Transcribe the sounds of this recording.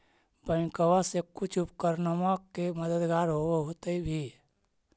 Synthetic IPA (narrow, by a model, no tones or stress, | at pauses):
bənkəwasekʊt͡ʃʰʊpkəɾnamakeməd̪əd̪ɡaːɾɦoeɦot̪eibʱi